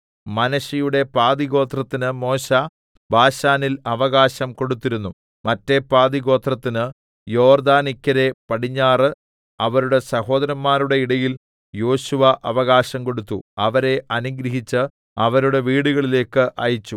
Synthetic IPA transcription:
mɐnɐɕijuɽe̞paːd̪iɣo̞ːt̪rɐt̪ːinɨmo̞ːɕɐ | baːɕaːnilɐʋɐɣaːɕɐmko̞ɽut̪ːiɾunːu | mɐtːe̞paːd̪iɣo̞ːt̪rɐt̪ːinɨ | jo̞ːrd̪aːnikʲːɐɾe̞pɐɽiɲːaːrɨ | ɐʋɐɾuɽe̞sɐho̞ːd̪ɐɾɐmːaːɾuɽe̞iɽɐjil | jo̞ːɕuʋɐʔɐʋɐɣaːɕɐmko̞ɽut̪ːuɐʋɐɾe̞ʔɐniɡɾɐɦit͡ɕːɨ | ɐʋɐɾuɽe̞ʋiːɽuɣɐɭile̞ːkːɨʔɐ̰jit͡ɕːu

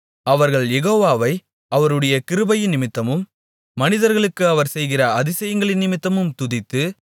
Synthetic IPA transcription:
ɐʋɐɾɣɐɭjɛɣoːʋaːʋɐɪ | ʔɐʋɐɾɯɽɐjɐkɪɾɯbɐjɪnːɪmɪt̪ːɐmɯmː | ɐnɪðɐɾɣɐɭɯkːɯɐʋɐɾsɛjɣɪrɐɐðɪsɐjɐŋɡɐɭɪnnɪmɪt̪ːɐmɯmt̪ʊðɪt̪ːɯ

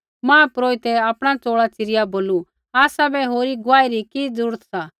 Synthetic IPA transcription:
mãːpɾoːit̪ɛaːpɽ̃at͡soːɭat͡sɪɾɪjaboːlu | aːsabɛɦoːɾiɡʊaːiɾikid͡zuːɽət̪sa

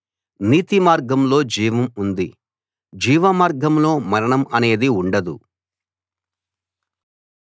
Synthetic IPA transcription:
niːt̪imaːɾɡɐmlo̞ːd͡ʒiːʋɐmund̪i | d͡ʒiːʋɐmaːɾɡɐmlo̞ːmɐɾɐɳɐmɐne̞ːd̪iuɳɖɐd̪u

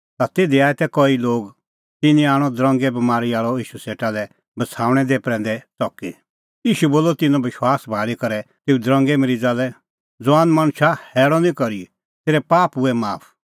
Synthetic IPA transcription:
t̪at̪eːd̪iaːɛt̪ɛkɔiloːɡ | t̪ɪnĩaːɽ̃ɔd̪ɾɔ̃ŋɡɛbɐmaːɾiaːɭɔiːʃuseːʈalɛ | bɐt͡sʰaːɽ̃ɛd̪epɾɛ̃ːnd̪ɛt͡sɔkḭ | iːʃuboːlːɔt̪ɪnɔ̃bɪʃwaːsbʱaːɭikɐɾɛt̪eːud̪ɾɔ̃ŋɡɛmɾid͡zaːlɛ | d͡zʊaːnmãñʃahɛːɽɔnĩkɔɾi | t̪eːɾɛpaːpʊɛmaːpʰ

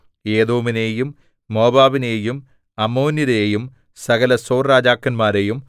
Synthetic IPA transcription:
eːðoːmineːjumː | o̞ːbaːʋineːjum | ɐmoːnjiɾeːjum | sɐɡɐlɐso̞ːrraːd͡ʑaːkːɐnmaːɾejum

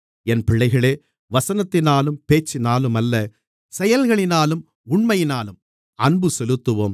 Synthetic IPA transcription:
ɛnpɪɭːɐɪɣɐɭeː | ʋɐsɐnɐt̪ːɪnaːlɯmpeːt͡ʃːɪnaːlɯmɐlːɐ | sɛjɐlɣɐɭɪnaːlɯm | ʊɳmɐjɪnaːlɯm | ɐnbɯsɛlɯt̪ːɯʋoːm

